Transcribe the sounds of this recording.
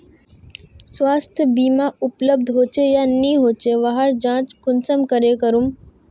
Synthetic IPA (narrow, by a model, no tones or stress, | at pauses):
sʋaːst̪ʰjəbiːmaʊpləb̚d̪ʱɦoːt͡ʃejaniːɦoːt͡ʃeʋaɦəɾd͡ʒãːt͡ʃkʰʊnsəmkəɾekəɾum